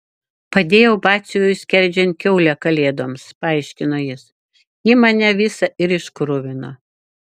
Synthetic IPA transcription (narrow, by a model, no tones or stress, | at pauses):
pɐd̪ʲeːjɛʊbɑːt̪sʲʊjʊjsʲkʲɛɾʲd͡ʒʲɛnʲt̪̚kʲɛʊlʲɛkɐlʲeːd̪oːmspɐɐɪʃʲkʲɪnoːjɪs | jɪmɐnʲɛʋʲɪsɐʔɪɾɪʃkɾʊʋʲɪnoː